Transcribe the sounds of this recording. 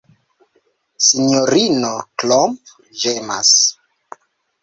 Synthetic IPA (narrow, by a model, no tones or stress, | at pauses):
siɲoɾinoklomp | ʒema̰s